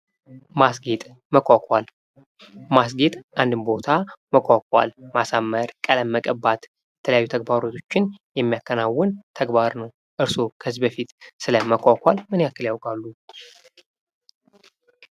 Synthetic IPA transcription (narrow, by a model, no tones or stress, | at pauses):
masɡet̪ʼ | məkʰʷʼakʷʼal | mas̬ɡet̪ʼʔand̪ɨmbo̞t̪ʰaməkʷʰʼakʼa̰lmasamːəɾkʼələmːəkʼəbat̪ | jɛt̪ʰələjajːut̪ʰəɡ̚baɾo̞t̪ʰo̞t͡ʃːɪnjɛmːijakːənawːənt̪ʰəɡbaɾnəw | ʔɨɾso̞kʰəɨzbəfit̪sɨləməkʷakʰʷʼalmɨnjakːɨljawkʼalːu